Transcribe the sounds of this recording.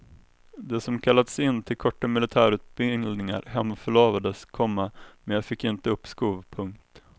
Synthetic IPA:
d̪ɛsɔmkʰalːad̪sɪnːt̪ʰɪlkʰɔʈːamɪlɪt̪ʰæːɾʉ̟ːt̪̚bɪŋlnɪŋa̰ɾɦɛmːfœɭoːvad̪əskʰɔmːamɛnjaːfɪkːɪnt̪əɵpːskuːvpʰɵŋk̚t̪

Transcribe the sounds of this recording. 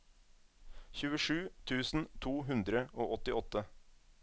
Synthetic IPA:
çʉːəʂʉːt̪ʰʉːsn̩t̪ʰuːɦʉnd̪ɾəʔoːʔɔt̪ɪʔɔt̪ə

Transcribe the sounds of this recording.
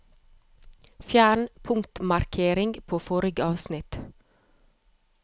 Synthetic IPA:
fjæːɳ̩pʰʊŋt̪mɑɾkʰeːɾɪŋɡpʰoːfɔːɾɪɡəɑːʋsnɪt̪

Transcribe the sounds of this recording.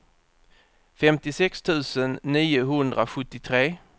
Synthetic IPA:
fɛmt̪ɪsɛkst̪ʰʉ̟ːsənːiːʊɦɵnd̪ɾaɧɵt̪ːɪt̪ʰɾeː

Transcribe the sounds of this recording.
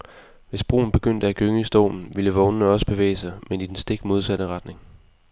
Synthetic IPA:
ʋe̝sb̥ʁo̰ːn̩b̥e̝ɡ̥øn̰d̥əæɡ̥øŋəisd̥ɔ̰ʊmn̩ʋiləʋɔ̽ʊnənəɒ̽sə̥b̥e̝ʋḛːɪsɑ̈ɪmenid̥ensd̥e̝ɡ̥mo̝ð̞ˠsæɾ̥əʁɑ̈d̥ne̝ŋ

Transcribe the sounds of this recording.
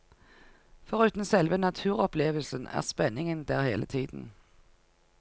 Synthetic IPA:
fɔʁʉːt̪n̩sɛlʋənɑt̪ʰʉːʁɔpleːʋəlsənæ̰ːʁspɛnɪŋənd̪æːʁhḛːlət̪ʰiːd̪̥n̩

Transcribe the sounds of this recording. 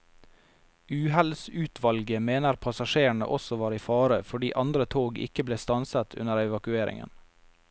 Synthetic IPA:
ʉːɦælsʉːt̪ʰʋɑlɡəmeːnəɾpʰɑsɑʃeːəɳə̰ʔɔsɔʋɑːɾiːfɑːɾəfɔɖiːʔɑnd̪ɾət̪ʰoːɡɪ̰kəbleːst̪ɑnsət̪ʰʉ̰nəɾɛʋɑkʉeːɾɪ̰ŋə̰n

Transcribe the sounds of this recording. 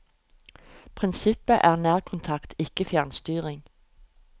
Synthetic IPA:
pʰʁɪnsɪpəʔæːʁnæːʁkʰʊnt̪ʰɑkt̪ʰɪkəfjæʁnst̪yːʁɪŋ

